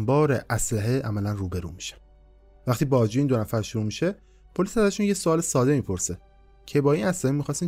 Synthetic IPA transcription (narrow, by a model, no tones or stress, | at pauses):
mbɒːɾeʔæslæɦeʔæmælænruːbe̞ɾṵːmi̥ʃæ̥m | væxt̪iːbɒːd͡ʒiːind̪o̞næfæɾʃuɾuːmiʃe̞ | pʰo̞lisæzæʃunjesoɒːlesɒːd̪e̞miːpʰo̞ɾse | cʰe̞bɒːinæslæhemixɒːst̪iːn